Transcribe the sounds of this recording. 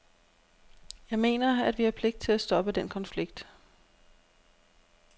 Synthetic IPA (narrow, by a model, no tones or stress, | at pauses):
jɑ̈ɪme̝̰ːnɐæd̥ʋihɑpʰle̝ɡ̥̚d̥̚t͡sʰe̝læsd̥ɒ̽b̥əd̥enkʰɒ̽nfliɡ̥̚d̥